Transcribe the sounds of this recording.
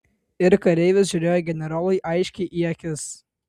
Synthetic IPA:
ɪɾkɐɾʲɛɪʋʲɪsʒʲʊɾʲeːjoɡʲɛnʲɛɾɑːlˠɐɪʔɐɪʃʲkʲɛɪʔiɛkʲɪs

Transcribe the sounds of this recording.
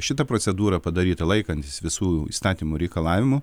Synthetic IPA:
ʃʲɪt̪ɐpɾoːsʲɛd̪uːɾɐpɐd̪ɐɾʲiːt̪ɐlˠɐɪkɐnʲt̪ʲɪsʋʲɪsuːḭːst̪ɑːt̪ʲiːmʊɾʲɛɪkɐlˠɑːʋʲɪmʊ

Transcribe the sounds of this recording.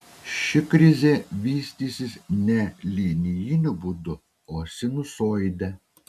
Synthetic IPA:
ʃʲɪkɾʲɪzʲeːʋʲiːsʲt̪ʲiːsʲɪsnʲɛlʲiːnʲɪjɪnʲʊbʊd̪ʊ | oːsʲɪnʊsoːjd̪ʲɛ

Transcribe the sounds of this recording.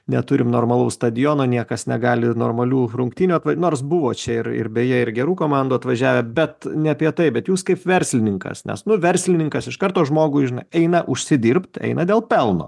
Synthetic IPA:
nʲɛ̰t̪ʊɾʲɪmnoːrmɐlˠɐʊst̪ɐd̪ʲɪjoːnoːnʲiɛkɐsnʲɛɡɑːlʲɪnoːrmɐlʲuːrʊŋkt̪ʲiːnʲuːɐt̪ʋɐnoːrs̬bʊʋoːt͡ʃʲɛɪɾɪ̰ɾbʲeːjɛɪɾɡʲɛɾuːkoːmɑˑnd̪uːɐt̪ʋɐʒʲæːʋʲɛbʲɛt̪nʲɛɐpʲiɛt̪ɐɪbʲɛt̪juːskɐɪpʋʲɛɾʲsʲlʲɪnʲɪŋkɐ̰snʲɛ̰snʊʋʲɛɾʲsʲlʲɪnʲɪŋkɐsɪʃkɐrt̪oːʒmoːɡʊɪʒʲɪnɐɪɛɪnɐʔʊʃʲsʲɪd̪ʲirpt̪ʲɛ̰ɪnɐd̪ʲeːlˠpʲɛlˠno̰ː

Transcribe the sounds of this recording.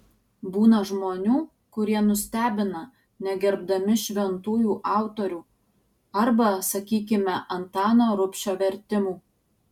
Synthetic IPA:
buːnɐʒmoːnʲuː | kʊɾʲiɛnʊsʲt̪ʲæːbʲɪnɐ | nʲɛɡʲɛɾbd̪ɐmʲɪʃʲʋʲɛnt̪uːjuːʔɑˑʊt̪oːɾʲuː | ɐɾbɐsɐkʲiːk̬ʲɪmʲɛʔɐnt̪ɑːnoːɾʊpʲʃʲoːʋʲɛɾʲt̪ʲɪmuː

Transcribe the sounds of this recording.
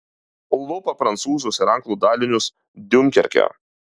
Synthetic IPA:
ʊlˠʋʊpɐpɾɐnt̪suːzʊsɪɾɐŋklˠuːd̪ɑːlʲɪnʲʊs | d̪ʲʊmʲkʲɛɾʲkʲɛ̰

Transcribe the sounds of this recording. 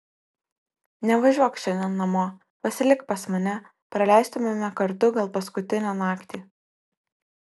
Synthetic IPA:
nʲɛʋɐʒʲuɔkʃʲɛnʲɛnːɐmoː | pɐsʲɪlʲɪkpɐsmɐnʲɛ | pɾɐlʲæˑɪst̪ʊmʲemʲɛkɐɾt̪ʊɡɐlˠpɐskʊt̪ʲɪnʲoːnɑːkt̪ʲiː

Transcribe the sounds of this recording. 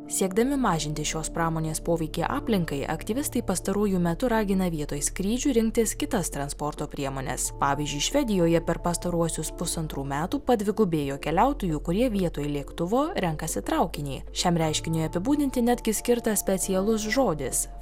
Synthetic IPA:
sʲiɛɡd̪ɐmʲɪmɑːʒʲɪnʲt̪ʲɪʃʲoːspɾɑːmoːnʲeːspoːʋʲɛɪkʲeːʔɑːpʲlʲɪŋkɐɪʔɐ̰kt̪ʲiʋʲɪst̪ɐɪpɐst̪ɐɾuɔjumʲɛt̪ʊɾɑːɡʲɪnɐʋʲiɛt̪oːjskɾʲiːd͡ʒʲuːɾʲɪŋk̚t̪ʲɪskʲɪt̪ɐst̪ɾɐnspɔɾt̪oːpʲɾʲiɛmoːnʲɛ̰spɑːʋʲiːzʲd͡ʒʲʊɪʃʲʋʲɛd̪ʲɪjoːjɛpʲɛɾpɐst̪ɐɾuɔsʲʊspʊsɐnt̪ɾuːmʲæːt̪uːpɐd̪ʲʋʲɪɡʊbʲeːjoːkʲɛlʲæˑʊt̪oːjuːkʊɾʲiɛʋʲiɛt̪oːjlʲiɛkt̪ʊʋoːɾʲɛŋkɐsʲɪt̪ɾɐˑʊkʲɪnʲɛː | ʃʲɛmɾʲɛɪʃʲkʲɪnʲʊjɐpʲɪbuːd̪ʲɪnʲt̪ʲɪnʲæd̪ʲɡʲɪsʲkʲɪɾt̪ɐsʲpʲɛt̪sʲɪjɛlˠʊs̬ʒoːd̪ʲɪs

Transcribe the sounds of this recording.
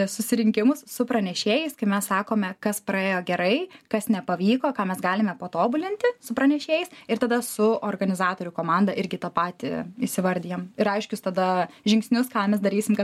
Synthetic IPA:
sʊsʲɪɾʲɪŋʲkʲɪmʊssʊpɾɐnʲɛʃʲeːjɛɪskɐɪmʲɛssɑːkoːmʲɛkɐspɾɐeːjoːɡʲɛɾɐɪkɐsnʲɛpɐʋʲiːkoːkɑːmʲɛsɡɑːlʲɪmʲɛpoːt̪oːbʊlʲɪnʲt̪ʲɪsʊpɾɐnʲɛʃʲeːjɛɪsɪɾt̪ɐd̪ɐsʊʔoːrɡɐnʲɪzɑːt̪oːɾʲʊkoːmɑnd̪ɐʔɪɾʲɡʲɪt̪ɐpɑːt̪ʲɪ̰isʲɪʋɐɾʲd̪ʲijɛːmɪɾɐɪʃʲkʲʊst̪ɐd̪ɐʒʲɪŋksʲnʲʊskɑːmʲɛs̬d̪ɐɾʲiːsʲɪmkɐ

